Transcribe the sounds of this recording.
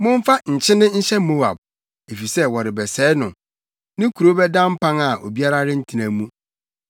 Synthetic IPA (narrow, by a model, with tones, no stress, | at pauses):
mʊ̃˦ɱ˦fa˦ɲ̩˨t͡ɕʰɪ̃˦nɪ̃˦ɲ̩˦ɕɛ˦mo˦a̰˨b̚ | e˨fi˨sɛ˦wɔ˨ɾɪ˨bɛ˨sɛː˨˦nʊ̃˨ | nɪ̃˦kʰu˨ɾo˦bɛ˦dã˦m̩˦pʰã˦ŋa˨ʔo̰˨bi˦a˦ɾa˦ɾɪ̃˦n̩˦tʰi˨nã˨mũ˦